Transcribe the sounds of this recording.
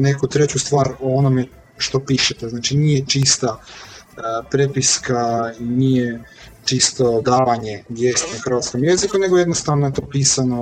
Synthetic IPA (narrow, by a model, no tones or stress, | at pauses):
nekut̪ɾe̞t͡ɕust̪ʋaːɾoonome | ʃt̪o̞piːʃet̪eznaːt͡ʃinijet͡ʃist̪a | pɾepiskainije | t͡ʃist̪o̞d̪aːʋaɲe̞ɡje̞st̪axɾr̩ʋat̪sko̞mje̞zikune̞ɡojenost̪aʋnoet̪o̞ːpiːsano